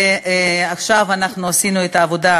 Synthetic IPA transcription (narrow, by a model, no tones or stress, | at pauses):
aχʃavanaχnuasinuet̪aːvo̞da